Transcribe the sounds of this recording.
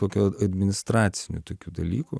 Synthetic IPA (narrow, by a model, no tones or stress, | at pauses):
oːkʲuɐd̪ʲmʲɪnʲɪst̪ɾɑːt̪sʲɪnʲʊ̰t̪oːkʲuːd̪ɐlʲiːku